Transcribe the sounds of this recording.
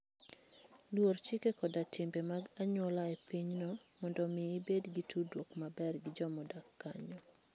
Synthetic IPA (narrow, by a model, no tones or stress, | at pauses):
lwort͡ʃikekɔdatɪmbemaɡaɲwɔlaepiɲnɔmɔndɔmɪːbedɡitudwokmabɛrɡɪd͡ʒɔmɔdakːaɲɔ